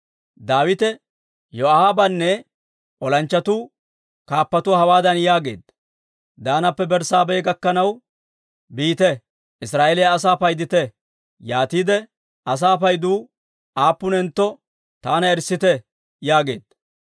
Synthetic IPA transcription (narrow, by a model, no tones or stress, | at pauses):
d̪aːwɪt̪ɛ | jɔahabɐnːɛ | ʔɔlɐnt͡ʃːɐt̪uː | kaːpːɐt̪ʊhɐwaːd̪ɐnjaːɡe̞̰ːd̪ | d̪aːnɐpːɛbɛɾsaːbɛjɡɐkːɐnɐw | biːt̪ɛ | ʔɪsɾaːʔɛlɪjɐːs̬aːpɐjd̪ɪt̪ɛ | jaːt̪iːd̪ɛ | ʔɐs̬aːpɐjd̪uː | ʔaːpːʊnɛnt̪ːɔ | t̪aːnɐɛɾsːɪt̪ɛ | jaːɡe̞̰ːd̪̥